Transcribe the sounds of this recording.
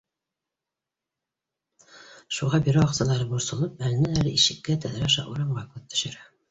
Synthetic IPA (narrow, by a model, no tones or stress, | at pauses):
ʃuʁɑbiɾæwɑqsɑlˠɑɾɤbuɾsɤ̆lˠɤp̚ælɘ̆næælɘʔiʃɘ̆kːæt̪æðɾɑʃɑ̰ʔuɾɑɴʁɑkʉt̪̚t̪ːɵ̥̆ʃɘ̆ɾæ